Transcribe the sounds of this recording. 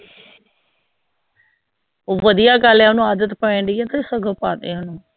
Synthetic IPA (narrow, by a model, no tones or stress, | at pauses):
oʋəd̪ɪjaːɡəlɛ̃ːɦʊnũːaːd̪ət̪pəẽːɳɖ̪iɛ̃ːt̪eːsəɡəpaːt̪ḛːʊnũː